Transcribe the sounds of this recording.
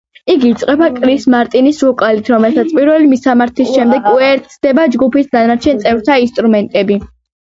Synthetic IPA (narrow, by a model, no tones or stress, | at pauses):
iɡiiːt̪sʼqʼɛbakʼɾismaɾt̪ʼinisukʼalit̪ʰɾɔmɛlsat̪sʰpʼiɾvɛlimisamaɾt̪ʰisʃɛmd̪ɛɡkɛɾt̪sʰd̪ɛbad͡ʒɡupisd̪anat͡ʃʰɛnt̪sʼɛvɾt̪ʰainst̪ʼɾumɛnt̪ʼɛbi